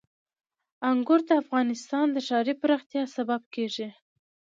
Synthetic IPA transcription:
aŋɡʊɾd̪əafɣɑnɪst̪ɑnd̪əʃɑɾipəɾaxt̪jɑsabab̚keʐi

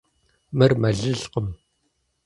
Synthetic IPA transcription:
mɨrmɐɮɨɮqəm

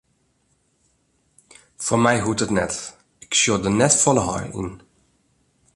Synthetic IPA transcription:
fomɛjɦutətnɛt | ɪksjodənɛtfɔləɦɑ̰rḭn

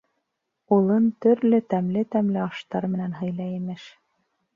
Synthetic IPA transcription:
ulˠɤnt̪ɵ̆ɾlɵt̪æmlɘt̪æmlɘɑʃt̪ɑɾmɘ̆nænɦɤ̆jlˠɑimɘʃ

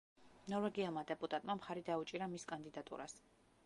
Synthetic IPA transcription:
nɔɾvɛɡialˠmad̪ɛpʼut̪ʼat̪ʼmamχaɾid̪aut͡ʃʼiɾamiskʼand̪id̪at̪ʼṵɾas

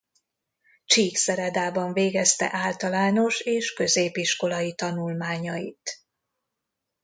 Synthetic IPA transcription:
t͡ʃiːksɛɾɛd̪aːbɒɱveːɡɛst̪ɛ̰ʔaːlt̪ɒlaːno̞ʃeːʃkø̞zeːpiʃko̞lɒjit̪ɒnulmaːɲɒit̪

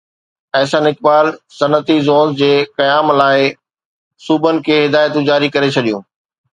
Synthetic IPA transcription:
ɛːsə̃nɪk̚baːlsɐnət̪izɔːɡd͡ʑeːkɐjaːmlaːɪ | suːbənɪ̆kʰeːɦɪd̪aːjət̪ũd͡ʑaːɾikɐɾet͡ɕʰɐɗijũː

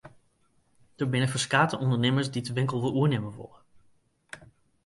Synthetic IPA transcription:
d̥ərbɪnəfəskaːtəʔɔndəɹneːməɹsditəʋɪŋkəlˠʋɪlˠuəɹnɪməʋɔ̰lˠə

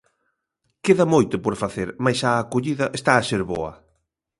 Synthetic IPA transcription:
keðamojt̪ʊpoɾfaθeɾmajsaːkoʎiðɐʔest̪aːseɾβo̰ɐ̰

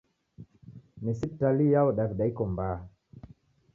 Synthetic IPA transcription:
nisitalijawɔɗaviɗaikɔmbaː

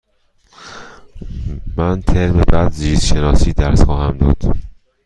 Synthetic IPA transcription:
mænt̪ʰeɾmebæd̪ziːzʃenɒːsiːd̪æɾsxɒːhæmd̪ɒ̰ːd̪̥

